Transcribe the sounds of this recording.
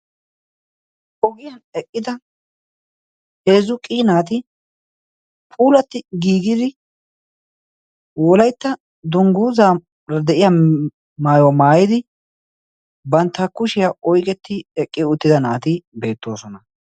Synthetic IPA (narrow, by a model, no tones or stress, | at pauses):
ʔɔɡɪjɐnɛkʼːɪd̪ɐ | he̞ːzʊkʼiːnaːt̪ɪ | pʼuːlɐt̪ːɪɡiːɡɪd̪ɪ | wɔlɐjt̪ːɐ | d̪ʊŋɡuːzaː | ɐd̪ɛʔɪjɐ | maːjwmaːjɪd̪ɪ | bɐnt̪ːɐkːʊʃɪjaʔɔjkʼɛt̪ːɪɛkʼːɪʊt̪ːɪd̪ɐnaːt̪ɪbe̞ːt̪ːo̞ːsɔnɐ